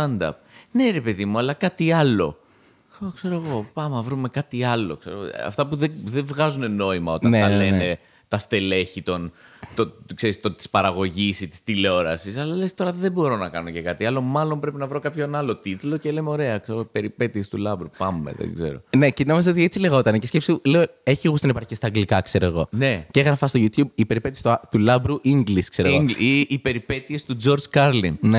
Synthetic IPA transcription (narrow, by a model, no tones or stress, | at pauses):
ɐnd̪ɐ̰pne̞ɾe̞pe̞ðimuɐlɐkɐt̪iɐlo̞̰ | okse̞ɾoɣo̞pɐmɐvɾume̞kɐt̪iɐlo̞̰kse̞ɾoɣoɐ̰ft̪ɐpuðeðeɱvɣɐzune̞no̞imɐo̞t̪ɐnnɐllene̞ | t̪ɐst̪e̞le̞çit̪o̞nt̪okse̞ɾist̪ot̪i̥spɐɾɐɣo̞ʝisit̪i̥st̪ileo̞ɾɐsisɐlɐle̞st̪o̞ɾɐðebo̞ɾo̞nɐkɐno̞cekɐt̪iɐlo̞mɐlo̞mpɾe̞pinɐvɾo̞kɐpçonɐlo̞t̪it̪ulo̞celemeo̞ɾe̞ɐkseɾoipe̞ɾipe̞t̪iest̪ulɐbɾupɐmːḛðḛɡze̞̰ɾo̞̰ne̞cenomizeot̪iet͡sileɣo̞t̪ɐnecescepsiuleoeçiɣust̪ɐnipɐɾçicest̪ɐɡlikɐkse̞ɾoeɣone̞ceɣɾɐfɐst̪oʝut̪çub̚ipe̞ɾipet̪iest̪ot̪ulɐbɾuʔiŋɡliskseɾooiʔːpe̞ɾipe̞t̪ie̞st̪ud͡zo̞ɾd͡zkɐɾlinne